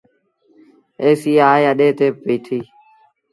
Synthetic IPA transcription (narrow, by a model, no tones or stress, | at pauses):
eːsiːaːeəɗeːt̪ẽːpiːʈ̪ʰiː